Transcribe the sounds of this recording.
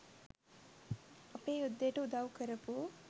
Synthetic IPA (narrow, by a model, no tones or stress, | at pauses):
ɐpeːud̪ːeʈud̪awkəɾɐpu